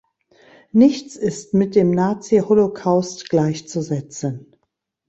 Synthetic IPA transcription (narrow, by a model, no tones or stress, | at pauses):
nɪçt͡sɪstmɪt̚d̥eːmnaːt͡siholokʰaʊstɡ̥laɪçt͡suzɛt͡sən